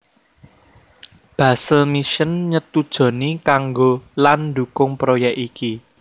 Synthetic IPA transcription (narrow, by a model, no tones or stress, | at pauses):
b̥ä̤səlmiʃənɲət̪ud̥ʒ̥ɔ̤nikaŋɡoland̪ṳkʊŋpɾojɛkiki